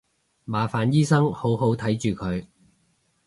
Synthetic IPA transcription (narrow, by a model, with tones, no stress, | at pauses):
maː˨˧faː˨njiː˥sɐ˥ŋho˨˥wɦo˨˥wt̪ʰɐ˨˥jt͡ʃyː˨kʰɵ˨˧ɥ